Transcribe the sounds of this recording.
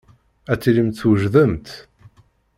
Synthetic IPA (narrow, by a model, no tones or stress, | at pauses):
æt͡sːilimt̪θwəʒðəmt̪